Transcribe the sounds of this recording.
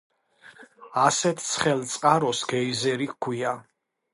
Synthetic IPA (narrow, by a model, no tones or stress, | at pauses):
asɛt̪ʰt̪sʰχɛlt̪sʼqʼaɾɔsɡɛizɛɾikʰwia